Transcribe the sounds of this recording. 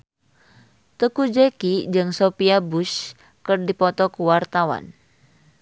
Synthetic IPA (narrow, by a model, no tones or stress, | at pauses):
t̪əkud͡ʒekid͡ʒɨŋsopiabuʃ | kərdipɔt̪ɔkuwart̪awa̰n